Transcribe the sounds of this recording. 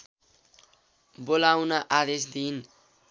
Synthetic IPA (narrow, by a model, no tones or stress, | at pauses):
bolawnaʔad̪esd̪in